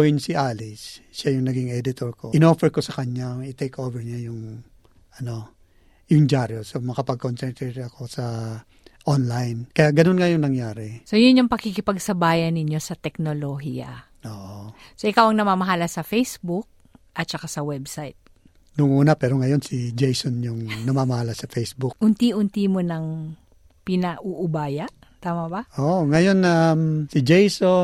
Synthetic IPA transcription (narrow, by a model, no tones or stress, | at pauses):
wɪnsiʔaːlɪsʃajʊŋnɐɡiŋɛd̪ɪt̪oɹkʰoʔɪnofɛɹko̞sɐkɐɲaŋɪt̪ɛjkʔoːvɛɹɲajʊŋ | ʔɐno̞ | jʊŋd͡ʒaːɾosomɐkɐpɐɡ̚konsɛnt̪ɛtɐko̞sɐ | ʔonlajnkɐjaʔɡɐno̞nŋɐjʊŋnɐŋjaːɾɛsojʊnjoŋpɐkikɪpɐɡsɐbaːjɐnːɪɲjo̞sɐt̪ɛk̚noloɦiɐ̰ | oːʔsoʔɪkawɐŋnɐmamɐɦalɐsɐfɛjsbʊk̚ | ʔɐt̪̚t͡ʃɐkasɐwɛbsajt̪̚ | nʊŋʔuːnɐpɛːɾoŋɐjo̞nsid͡ʒɛjsonjʊŋnɐmamɐhalɐsɐfɛjsbʊk̚ʔʊnt̪iʔʊnt̪imo̞nɐŋ | pɪnɐʔuʔʊbaːjɐʔ | t̪aːmɐbɐʔoʔŋɐjonɐmsɪd͡ʒɛjso